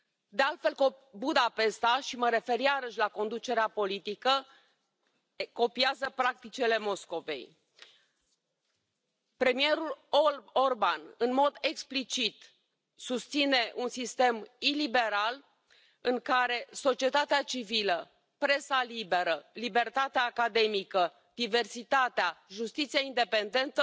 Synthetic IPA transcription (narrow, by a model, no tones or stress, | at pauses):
d̪e̞alt̪fe̞lkobud̪ape̞st̪aʃiməɾe̞fe̞ɾiaɾəʃʲlako̞nd̪ut͡ʃe̞ɾeapo̞lit̪ikə | ko̞piazəpɾak̚t̪it͡ʃele̞mo̞sko̞ve̞̰j | pɾe̞mije̞ɾuloo̞rbanɨnmo̞d̪e̞ksplit͡ʃit̪ | sust̪sine̞ʔunsist̪e̞milibe̞ɾal | ɨŋkaɾe̞so̞t͡ʃie̞t̪at̪eat͡ʃivilə | pɾe̞salibe̞ɾəlibe̞rt̪at̪eaːkad̪e̞mikə | d̪̥ive̞rsit̪at̪eaʒust̪it̪sijaind̪e̞pe̞nd̪e̞nt̪ə